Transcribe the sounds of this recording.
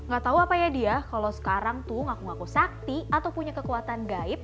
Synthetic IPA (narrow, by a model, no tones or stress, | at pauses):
ŋɡat̪auapajadiakalosə̥kaɾaŋt̪uŋakuŋakusak̚t̪iat̪awpuɲakəkuat̪anɡaɪt̪̚